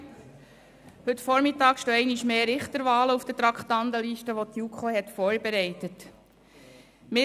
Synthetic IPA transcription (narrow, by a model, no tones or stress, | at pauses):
hɵtfɔɾmɪtɑːkʃtoːɛɪniʃmeːɾɪχt̪əɾʋɑːləufd̥ətɾɑkχt̪ɑnd̪əliʃtəʋot̪jukχohɛt̪foːɾbeɾɛɪtət | mɪ